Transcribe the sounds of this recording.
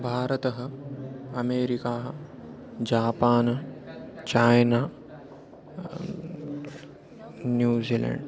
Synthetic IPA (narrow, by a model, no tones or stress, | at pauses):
bʱaːɾɐt̪ɐɦɐ | ɐmeːɾikaːɦ | d͡ʒaːpaːnɐt͡ʃaːjnaː | njuːziːlḛɳɖ